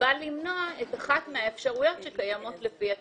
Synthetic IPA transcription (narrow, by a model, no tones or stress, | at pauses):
alːimnoaetaχatmeaefʃaʁujo̞tʃekajamo̞tlefia